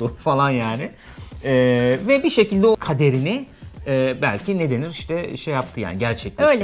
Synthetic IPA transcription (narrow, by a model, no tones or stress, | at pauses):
ufalˠanjaːnɪ | ɛːvɛbiʃe̞cʰilʲd̪ɛo̞kʰad̪e̞ɾinɪɛːbæ̰lʲcʰine̞d̪e̞niɾiʃt̪ʰɛʃejap̚t̪ʰɯja̰ːniɟæɾt͡ʃʰɛc̚ølʲɛ